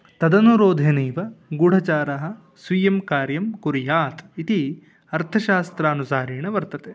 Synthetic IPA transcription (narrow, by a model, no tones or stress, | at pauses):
t̪ɐd̪ɐnuɾoːd̪ʱeniːʋɐɡuɽ̤ɐt͡ʃaːɾɐɦɐ̆ | sʋijɐmkaːɾjɐmkuɾijaːt̪it̪i | ɐɾt̪ʰɐʃaːst̪ɾaːnusaːɾiːɳɐʋɐɾt̪ɐt̪eː